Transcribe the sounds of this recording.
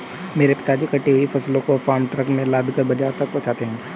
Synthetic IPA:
meːɾepɪ̥t̪ad͡ʒikɐʈeːɾifʰɐslõkofaːɾmʈɾɐkmẽlaːd̪ʱkəɾbɐd͡ʒaːɾt̪ɐk̚pɔ̃ːt͡ʃaːt̪eɦɛ̃ː

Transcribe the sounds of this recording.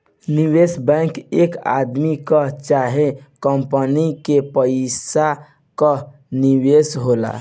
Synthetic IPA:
niwesbɛ̃ɪ̃keka̰d̪mikət͡ʃaɦẽkəmpənikepəsa | kə | niwesɦola̰

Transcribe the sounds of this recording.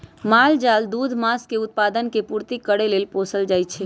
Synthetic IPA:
mald͡ʒald̪ud̪ʱmaskeut̪̚pad̪ənkepuɾt̪ikːəɽelelposəld͡ʒajt͡ʃʰɛ

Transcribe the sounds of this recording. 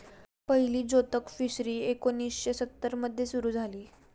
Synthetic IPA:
pəɦiliːd͡zot̪əkfisɾiːekonːiːsɕesət̪ːəɾməd̪ʱjesuɾuːd͡zʱaliː

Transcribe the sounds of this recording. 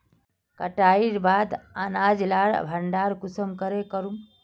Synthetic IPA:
kəʈaiɾbad̪anad͡ʒlaɽbʱəɳɖaɾkusəmkəɾekəɾum

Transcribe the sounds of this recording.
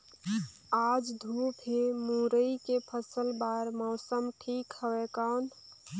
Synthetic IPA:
aːd͡ʒd̪ʱupʰemuɾəikepʰəsəlbaɾmɔʊsəmʈʰiːkhəwekan

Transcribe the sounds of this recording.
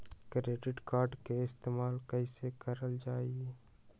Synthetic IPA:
kɾeːɖɪʈkaːɾɖkeɪst̪eːmaːlkəɪsekəɾəld͡ʒaːie

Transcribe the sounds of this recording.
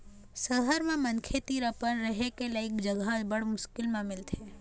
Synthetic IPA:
səɦəɾmẽmɐnkʰet̪iːɾəpənɾəɦekelaɪkd͡ʒəɡabəɽmʊʃkɪlmẽmɪlt̪ʰeː

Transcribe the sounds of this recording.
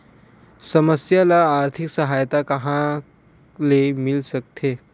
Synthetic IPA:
səməsjalaːɾt̪ʰiksəɦajt̪akəɦã | lemilsək̚t̪ʰe

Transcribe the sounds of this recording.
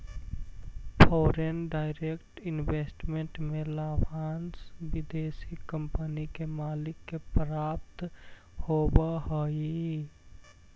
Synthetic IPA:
pʰɔːɾenɖaːɪɾekʈɪnbesʈmẽɳʈmẽlaːbʱaːnsbɪd̪eːsikəmpənikemaːlɪkːepɾaːp̚t̪ | hobaɦoi

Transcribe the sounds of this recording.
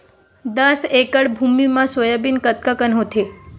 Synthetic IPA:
d̪əsekəɽbʱumimãsojabinkət̪̚kakənɦot̪ʰe

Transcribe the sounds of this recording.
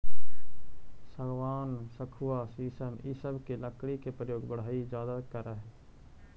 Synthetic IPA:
səɡwaːnsəkʰuwasiːsəmisəbʱkiləkɽikepɾəjoːɡbʊɽ̤aːid͡ʒjaːd̪akəɾəɦɛ

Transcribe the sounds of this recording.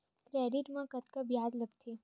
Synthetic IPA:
kɾɛːɖiʈmãkɐt̪kabjaːd̪ləbt̪ʰe

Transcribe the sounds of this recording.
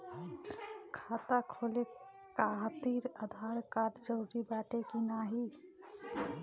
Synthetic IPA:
kʰat̪akʰole | kaɦt̪iɾəd̪ʱaɾkaːʈd͡ʒəʊɾibɛːʈekinaɦi

